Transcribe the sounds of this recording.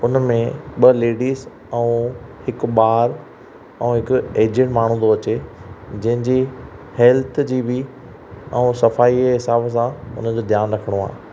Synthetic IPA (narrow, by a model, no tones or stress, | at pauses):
ʊnmẽɓɐleːɖiːz | ɛ̃ũhɪk̆ɓaːɾ | ɛ̃ɦɪkʊeːd͡ʑə̃ʈmaːɳ̤̃ũd̪oɐt͡ɕed͡ʑɐ̃ɦɪ̃d͡ʑiːhɛːlt̪ʰʊd͡ʑiːbɪ | ɛ̃ũsɐfaːiɦɪsaːbsãʊ̰nəd͡ʑoːd̪ʱjaːnɾɐkʰəɽ̃oa̰ː